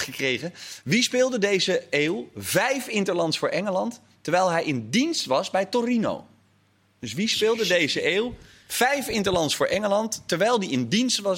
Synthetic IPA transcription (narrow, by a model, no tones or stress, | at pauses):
χəkrejχəʋispɪːlˠdədejzəeːwvɛjfɪntəɹlɑntsfʊːɹʔɛŋəlɑntː | əɹʋɛjlˠɦɛjɪndinstʋɑsbɛjtorino̰w | d̥ɵsʋispɪːlˠdədejzəʔeːw | v̥ɛjfɪntəlɑntsfʊːɹʔɛŋəlɑntːəɹʋɛjlˠdiɪndinstʋɑ